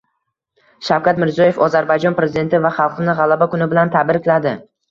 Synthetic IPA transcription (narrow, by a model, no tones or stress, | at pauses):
ʃawkʰʲat̪mɪɾzijɒje̞fɒzaɾbajd͡ʒɒnpɾe̞zid̪e̞nt̪ɪvaχɑlˠqɨnɪʁɑlˠabakʊnɪbɪlant̪ʰabɪɾɪkʲlad̪ɪ